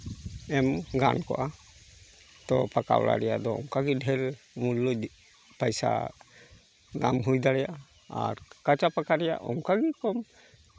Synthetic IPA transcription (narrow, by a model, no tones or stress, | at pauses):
ɛmɡa̰nkɔʔa | t̪ɔpaka̰wla̰ɾɛjad̪ɔɔŋkaɡiɖʱɛl | mulːu | pajsa̰ | namɦujd̪aɽɛjaʔa | a̰ɾkat͡ʃapakaɾɛja̰ʔɔŋkaɡikɔm